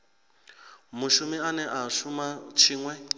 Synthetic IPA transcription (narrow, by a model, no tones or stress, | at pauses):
muʃumianɛʔaʃumat͡ʃʰiːŋwɛ